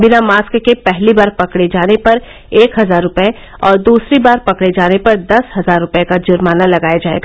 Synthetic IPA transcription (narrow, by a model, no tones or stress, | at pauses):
bɪnamaːskkepɛɦlibaːɾpɐkɽed͡ʒaːnepɐɾ | eːkɦɐzaːɾːʊpe | ɔːɾd̪uːsɾibaːɾpɐkɽed͡ʒaːnepɐɾd̪ɐsɦɐzaːɾːʊpekad͡ʒʊɾmaːnalɐɡaːjad͡ʒaːḛːɡaː